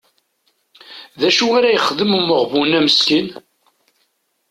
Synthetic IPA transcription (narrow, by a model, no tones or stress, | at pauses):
ðæʃuaɾæjəχəðəmuməʁvunæməskən